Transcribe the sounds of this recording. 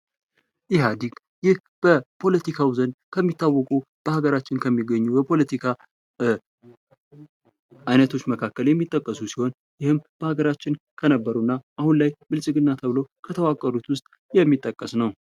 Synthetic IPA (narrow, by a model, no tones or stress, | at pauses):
jɪɦad̪iɡ | jɪh | b̥əpʰo̞lət̪ikʰawzənkʰəmːit̪ʰːawːɔkʼu | b̥əhaɡəɾat͡ʃːɪnkʰəmːiɡːəɲːubəpʰo̞lət̪ʰikʰa | ʔajnət̪ʰo̞t͡ʃːməkʰakːəljɛmːit̪ʼːəkʼːəsusiho̞n | jɪhɨmb̥əhaɡəɾat͡ʃːɪn | kʰənəbːəɾunːaʔahunlajmɨlsʼɨɡɨnːat̪ʰəβlowkʰət̪ʰəwakʼːəɾut̪wʊst̪ʼ | jɛmːit̪ʼːəkʼːəsnəw